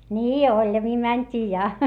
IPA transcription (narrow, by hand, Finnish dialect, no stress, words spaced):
niː olʲjɑmiː mænʲtʲiː jɑ